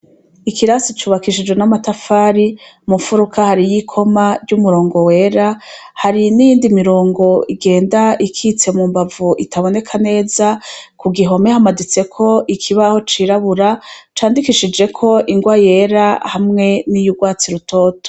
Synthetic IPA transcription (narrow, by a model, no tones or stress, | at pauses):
ikʰiɾasit͡ʃuːβakiʃid͡ʒɡwe̞namatafaːɾi | mufuɾukʰahaɾijikʰo̞maɾɟumuɾo̞ːŋɡo̞we̞ːɾahaɾinijiːndimiɾo̞ːŋɡo̞iɡe̞ːndaikʰit͡se̞mumbavuʔitʰaβo̞ne̞kʰane̞ːzakuɡiɦo̞mehamadit͡se̞kʰo̞ʔikʰiβaho̞t͡ʃiːɾaβuɾat͡ʃaːndikiʃid͡ʒe̞kʰo̞ʔiŋɡwaje̞ɾahamŋe̞nijuɡwaːt͡siɾuto̞ːto̥